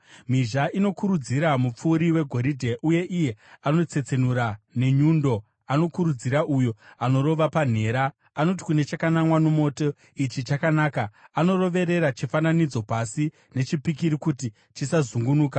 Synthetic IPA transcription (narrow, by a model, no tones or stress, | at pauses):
m̤iʒaʔino̞kuɾud͡ziɾamup͡fuːɾiwe̞ɡʱo̞ɾidʱe̞ʔuje̞ʔije̞ano̞t͡se̞t͡se̞nuɾane̞ɲuːndo̞ | ano̞kuɾud͡ziɾaʔujo̞ano̞ɾo̞ʋapan̤e̞ːɾaː | no̞t̬i̥kune̞t͡ʃakanamwanomo̞to̞ | it͡ʃit͡ʃakanaːkaano̞ro̞ʋe̞ɾe̞ɾat͡ʃifananid͡zo̞pasi | ne̞t͡ʃipik̬iɾikuti | t͡ʃisazuŋɡunuːka